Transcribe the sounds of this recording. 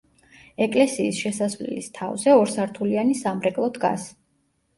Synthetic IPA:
ɛkʼlɛsiːsʃɛsasvlɛ̰list̪ʰa̰vzɛɔɾsaɾt̪ʰulianisamɾɛkʼlˠɔd̪ɡa̰s

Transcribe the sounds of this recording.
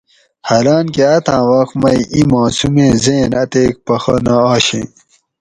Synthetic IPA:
hɐɾaːnkeɐt̪ãːwaxmɐjimãːsumẽːzeːnɐt̪eːk̚pɐxɐnaaːɕḛ̃ː

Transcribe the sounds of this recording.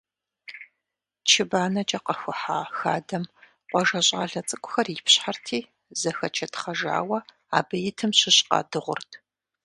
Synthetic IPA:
t͡ʃʰɪbaːnɐt͡ʃʼɐqɐxʷʊħaːxaːdɐm | qʷɔʒɐɕʼaːɮɐt͡sʼɨkʷʼʊxɐripɕħartʰiː | zɐxɐt͡ʃʰɐtʰχɐʒa̰ːwɐ | a̰ːbɐjɪtʰɨmɕɪɕʼqɑ̰ːdɨʁʷʊrtʰ

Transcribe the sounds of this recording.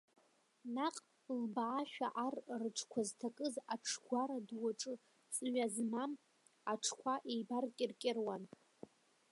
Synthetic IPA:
naqʼ | lbaːʃᶣaʔarrɨʈ͡ʂʰkʷʰaztʰakʼɨzaʈ͡ʂʰɡʷaɾadwaʈ͡ʂʼɨ | t͡sʼɨɥazmam | aʈ͡ʂʰkʷʰaʔejbarkʲʼɪrkʲʼɪrwan

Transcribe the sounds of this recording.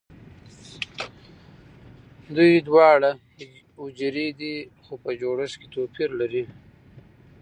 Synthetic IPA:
d̪ujd̪wɑːɽa | ʊd͡ʒɾid̪ixopəd͡ʒoɽəʃket̪opʰiɾlaɾi

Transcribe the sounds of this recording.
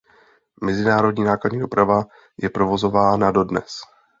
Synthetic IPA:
mɛzɪnaːɾo̞dɲiːnaːkladɲiːdo̞pɾava | jɛpɾo̞vo̞zo̞vaːnado̞dnɛ̰s

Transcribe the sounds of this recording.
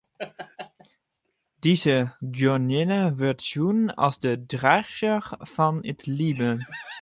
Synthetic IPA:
d̥iːzəɡjɔnjɛnəvɪɐtsuːna̰lsd̥əːdʁaʃəfɔnɪtliːbə

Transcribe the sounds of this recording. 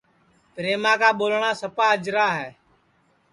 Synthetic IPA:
pɾeːmãːkaːɓoːlɳaːsəpaːəd͡ʒɾaːɦɛː

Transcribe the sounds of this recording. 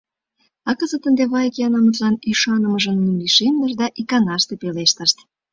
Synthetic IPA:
ɑkəzət̪ə̆nd̪eβɑjkeɑnɑmut̪lɑniʃɑnə̆mə̆ʒə̆nːumliʃemd̪əʃ̬d̪ɑʔikɑnɑʃt̪epeleʃt̪əʃt̪

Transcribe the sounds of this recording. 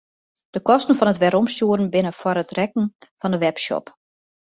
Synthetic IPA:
d̥əkɔstn̩fɔnətʋɛɾɔmstuəɾn̩bɪnəfwɔɾətrɛk̚n̩fɔndəʋɛpʃɔ̰p

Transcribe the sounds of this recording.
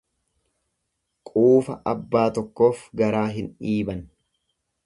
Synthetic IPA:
kʼuːfɐʔɐbːaːt̪ɔkːo̞ːfɡɐɾaːɦɪnᶑiːbɐn

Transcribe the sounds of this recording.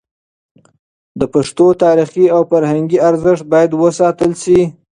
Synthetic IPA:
d̪əpaʂt̪ot̪ɑɾiχiawfaɾhaŋɡiaɾzəʂt̪̚bɑjad̪wəsɑt̪əlʃi

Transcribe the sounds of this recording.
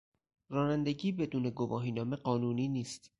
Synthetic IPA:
rɒːnænd̪e̞ɟiːbe̞d̪uːne̞ɡovɒːɦiːnɒːme̞ɢɒːnuːniːniːst̪

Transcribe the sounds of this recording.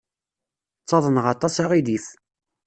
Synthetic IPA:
t͡sːɑðˤənʁɑt̪ˤɑsaʁiðiθ

